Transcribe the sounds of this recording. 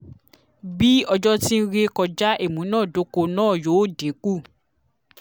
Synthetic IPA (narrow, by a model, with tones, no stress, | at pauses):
bi˦ɔ˧d͡ʒɔ˦ti˦n̩˦ɾe˧kɔ˧d͡ʒa˦ʔe˦˨mũ˨˦nãː˦˨do˨˦ko˧nãː˦˨joː˨˦˨de˨˦ku˦˨